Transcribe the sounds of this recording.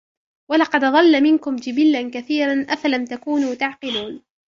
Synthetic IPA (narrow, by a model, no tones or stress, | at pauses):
walɑqɑd̪ðˤɑlːamɪnkʊmd͡ʒɪbɪlːankaθiːɾanʔafalamt̪akuːnuːt̪aʕqɪluːn